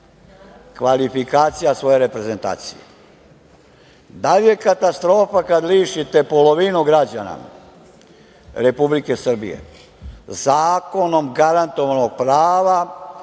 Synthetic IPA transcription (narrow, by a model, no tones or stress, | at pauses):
kʋalifikaːt̪sijasʋo̞je̞ɾe̞pɾe̞ze̞nt̪a̰ːt̪sḭjḛ | d̪alije̞kat̪ast̪ɾo̞ːfakad̪liːʃit̪e̞po̞lo̞ʋinuɡɾad͡ʑana̰ | ɾe̞publike̞sr̩bḭjḛ | zaːko̞no̞mɡaɾant̪o̞ʋano̞ɡ̚pɾaːʋa